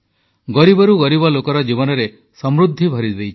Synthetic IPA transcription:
ɡɔɾibɔɾuɡɔɾibɔlokɔɾɔd͡ʒibɔnɔɾe | sɔmɾud̪ʱːibʱɔɾid̪ejt͡ʃʰ

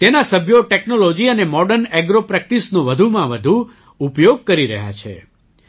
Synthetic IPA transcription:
t̪enasəbʱjoʈeknolod͡ʒiənemɔɖəɾnɛɡɾopɾɛk̚ʈisnõʋəd̪ʱumãʋəd̪ʱu | upjoɡ̚kəɾiɾəɦja̰t͡ʃʰḛ

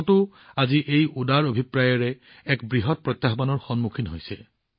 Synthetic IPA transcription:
tʊ | aziʔejudaɹobʱipɹajɔɹɛː | kbɹiɦɔt̚pɹɔt̪jaɦbanɔɹxɔnmukʰinɦojsɛ

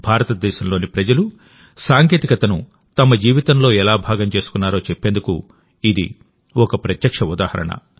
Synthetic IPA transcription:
bʱaːɾɐt̪ɐd̪ɛːʃɐmlo̞ːnipɾɐd͡ʒɐlu | saːŋke̞ːt̪ikɐt̪ɐnṵ | t̪ɐmɐd͡ʒiːʋit̪ɐmlo̞ːɛlaːbʱaːɡɐmt͡ʃe̞ːsu̥kunːaːɾo̞ːt͡ʃepːeːnd̪ukṵ | id̪ḭ | ɔkɐpɾɐt̪jɐkʂɐud̪aːhɐɾɐ̰ɳɐ̰

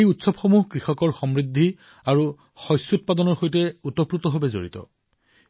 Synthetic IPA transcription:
ejutsɔbxomuɦkɹixɔkɔɹxɔmɹid̪ʱːi | aɹu | xɔjsʊt̚padɔnɔɹxojtɛutɔpɹut̪ɔɦɔbɛzo̰ɹḭtɔ̰

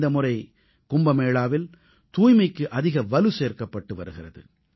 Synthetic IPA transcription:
d̪ɐmʊrɐɪ | kʊmbɐmeːɭaːʋɪl | t̪uːjmɐɪkːɯʔɐðɪɣɐʋɐlɯseːɾkɐpːɐʈːɯʋɐɾɯɣɪrɐðɯ̰

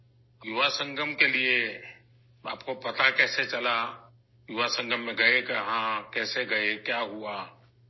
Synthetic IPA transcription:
juʋasə̃ŋɡʱəmkelie | a̰ːp̚kopɐt̪akɛːset͡ʃɐla | jʊʋasə̃ŋɡʱəmːẽɡɐekeɦãkɛːseɡɐekjaːɦua

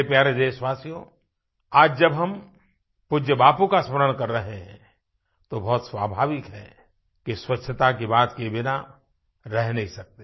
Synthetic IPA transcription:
epjaːɾed̪eswaːsjõ | aːd͡ʒd͡ʒɐbɦɐm | pʊd͡ʒjəbaːpũkasməɾəɽ̃kɐɾːəɦẽɦɛ̃ | t̪obɔːt̪swaːbʱaːʋɪkɦɛ | kiswɐtt͡ʃːʃʰət̪akibaːt̪kebɪna | ɾɛɦnəɦĩsɐk̚t̪eː

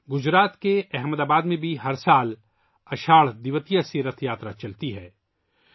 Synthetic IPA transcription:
ɡʊd͡ʒɾaːt̪keʔɛɦməd̪aːbaːd̪mẽbʱiɦɐɾsaːl | ɐʃaːɭd̪ɪʋət̪ijasiɾət̪ʰjaːt̪ɾat͡ʃɐlt̪iɦɛː

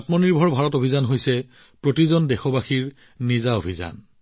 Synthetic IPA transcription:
tmɔniɹbʱɔɹbʱaɹɔtobʱizanɦojsɛ | pɹotizɔndɛxɔbaxiɹ | nizaobʱiza̰n

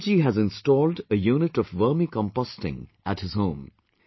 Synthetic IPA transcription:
d͡ʒiɦæzɨ̃nstɔːldəjuːnɨʈɔvʋəːmikə̃mpɔstɪ̰̃ŋʔæthɨz̥ɦõʊ̃m

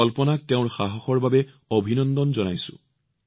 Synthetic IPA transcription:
ɔlpɔnak̚teʊ̃ɹxaɦɔxɔɹbabɛ | obʱinɔnd̪ɔnzɔnajsʊ̰̃

